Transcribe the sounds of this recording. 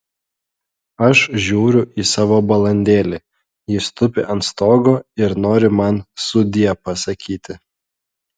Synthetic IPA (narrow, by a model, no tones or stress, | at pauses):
ɐʃʒʲuːɾʲʊʔiːsɑːʋoːbɐlˠɐnʲd̪ʲeːlʲe | jɪst̪ʊpʲɪʔɐnt̪st̪oːɡoːɪɾnoːɾʲɪmɐnsʊd̪ʲiɛpɐsɐkʲʰiːt̪ʲɪ